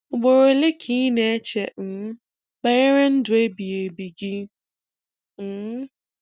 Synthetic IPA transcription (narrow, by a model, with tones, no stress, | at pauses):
ʊ˨ɡ͡bo˨ɾo˨˦le˦kʰi˦ne˦t͡ʃe˨n̩˨˦ | k͡pa˦e˦ɾe˦n̩˦dʊ˨e˦bi˨e˨bi˨ɡɪ˦˨˦